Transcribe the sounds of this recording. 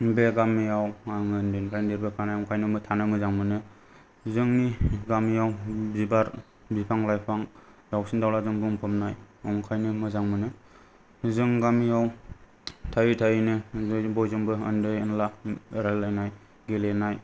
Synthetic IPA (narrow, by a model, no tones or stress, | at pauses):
beɡamijawaŋɯndɯnɾandeɾbɯkʰanajɔŋkʰajnɯmɯtʰanɯmɯzaŋmɯnɯ | zɯŋniɡamijawbzibaɾ | bipʰaŋlajpʰaŋ | d̥awsindawlazɯŋbɯŋpʰɯmnaj | ɔŋkʰajnɯmɯzaŋmɯnɯ | zɯŋɡamijaw | tʰajitʰajinɯzbɔjzɯŋbɯəndɯjɯnlaɾalːajnaj | ɡelenaj